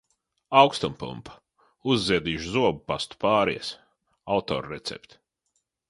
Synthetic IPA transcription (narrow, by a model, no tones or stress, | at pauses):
awkst̪umpṵmpḁ | uzːiɛd̪iːʒuzuɔbpast̪u̥paːɾḭɛs | awt̪ɔ̰ːɾɾet̪sḛpt̪